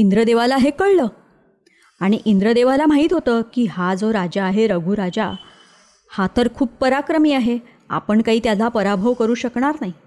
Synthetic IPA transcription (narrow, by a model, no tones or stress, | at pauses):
ind̪ɾəd̪eʋalaɦekəɭləː | aɽ̃iʔind̪ɾəd̪eʋalam̤aɦiːt̪ɦot̪əːkiːɦad͡zoɾad͡ʑaːɦeɾəɡʱuːɾad͡ʑa̰ | hat̪əɾkʰuːb̚pəɾakɾəmiːaɦe | a̰pəɳkaɦiːt̪jalapəɾabʱəʋkəɾuːɕəkɳaɾnaɦi